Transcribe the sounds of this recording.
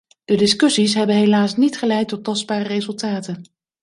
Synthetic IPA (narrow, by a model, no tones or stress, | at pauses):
d̥ədɪskɵsisɦɛbənɦelaːsnitχəlɛjtːɔtɑsd̚baːrərezɵlˠtaːtən